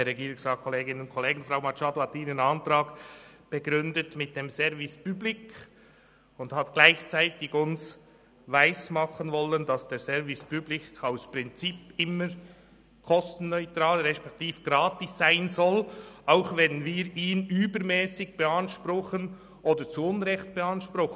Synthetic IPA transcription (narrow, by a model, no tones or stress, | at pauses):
ɛɾɛɡiːɾʊŋsɑːkʰɔleːɡɪnənʊntkʰɔleːɡɪnfɾaʊmɑt͡ʃɑːdohɑt̪iːnənɑntɾɑːkb̥ɛɡɾʏndətmɪt̚d̥eːmsɛɾvɪspyblɪk | ʊndhɑtɡ̥laɪçt͡saɪtɪɡʊns | vaɪsmɑχənvɔlənd̥ɑsd̥eːsɛɐvɪspyblɪkaʊspʁɪnt͡sipɪməɾ | kʰɔstn̩ːœʏtɾɑːlɾɛspɛk̚tiːfɡ̥ɾɑːtɪsːaɪnzɔlʔaʊxvɛnnviːɾiːnyːbəɾmɛːsɪɡ̚b̥ɛɑnʃpɾʊχən | ʔoːdəɾt͡suʊnɾɛxt̚b̥ɛɑnʃpɾʊx